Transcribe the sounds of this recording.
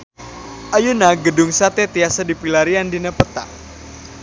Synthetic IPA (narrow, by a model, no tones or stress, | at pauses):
ʔajunaɡədʊŋsat̪ɛt̪iasadipilaɾiandinapət̪a̰